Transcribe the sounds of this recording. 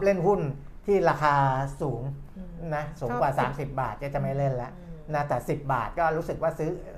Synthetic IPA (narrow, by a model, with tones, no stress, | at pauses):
le˥˩nhu˥˩n | t̪ʰiː˥˩ɾaː˧kʰaː˧suː˩˦ŋ | na˦˥suː˩˦ŋwaː˨˩saː˩˦msi˨˩p̚baː˨˩t̪̚kaː˥˩t͡ɕa˨˩ma˥˩jle˥˩nlɛ˦˥ʔna˦˥t̪ɛː˨˩si˨˩p̚ba̰ː˨˩t̪̚kɔː˥˩ɾuː˦˥sɯ˨˩k̚waː˥˩sɯ˦˥